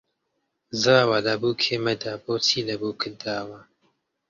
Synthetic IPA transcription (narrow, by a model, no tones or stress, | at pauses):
zaːwalɐbuːkʰemɐd̪aboːtʰilɐbukʰɨd̪aːwa